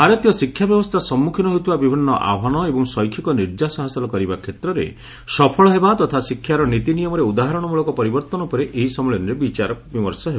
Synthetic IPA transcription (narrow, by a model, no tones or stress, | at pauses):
ɦaɾet̪jɔsikʰːjabjɔbɔst̪ʰasɔmːukʰinɔɦot̪ibabibʱinːɔʔa̰bʱɦanɔebɔŋsɔjkʰikɔniɾd͡ʒasɔɦasɔlɔkɔɾibakʰet̪ɾɔɾḛ | sɔpʰɔɭɔɦebat̪ɔt̪ʰasikʰjaɾɔnit̪inijɔmɔɾeud̪aɦaɾɔɽ̃ɔmuɭɔkɔpɔɾibɔɾt̪ɔnɔpɔɾeʔeɦisɔmɔɭɔnɔɾebit͡ʃaɾɔbimɔɾsɔɦeba